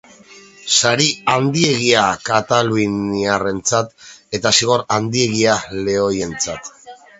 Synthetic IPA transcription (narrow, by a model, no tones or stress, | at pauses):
saɾiand̪ie̞ɣiakat̪aluiniare̞nt͡sat̪e̞t̪asiɣ̞o̞ɾand̪ie̞ɣ̞iale̞o̞je̞nt͡sat̪